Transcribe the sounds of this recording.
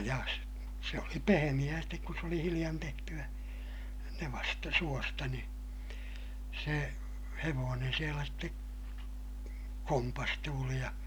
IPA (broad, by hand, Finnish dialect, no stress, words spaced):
jɑ s se oli pehemij̆æː stek kus s oli hilij̆ɑn tehtyæ neʋɑstɑ suostɑ ni se heʋoːnen sielæ ste kompɑstuːli jɑ